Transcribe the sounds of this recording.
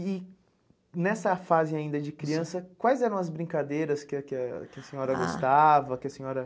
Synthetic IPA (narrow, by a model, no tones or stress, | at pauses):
ɪ | nɛsɐfazɪaĩnd̪ɐd͡ʒɪkɾiɐ̃sɐkwajzɛɾɐ̃w̃ɐzbɾĩkad̪ejɾɐskɪɐkɪɐkɪɐsẽɲɔɾɐɡost̪avɐkɪɐsẽɲɔɾɐ